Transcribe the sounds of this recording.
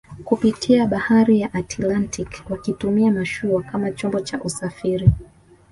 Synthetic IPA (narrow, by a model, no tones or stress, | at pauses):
kupitʰiaɓahaɾijaʔatʰilantʰikwakitumiamaʃuakamat͡ʃɔmbɔt͡ʃaʔusafiɾi